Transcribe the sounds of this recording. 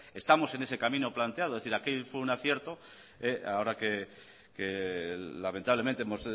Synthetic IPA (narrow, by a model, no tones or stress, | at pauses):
e̞st̪amo̞se̞ne̞sekamĩnoplant̪eaðoðθiɾakefweunaθje̞ɾt̪o̞ | eaoɾake | kelame̞nt̪aβlement̪eemo̞s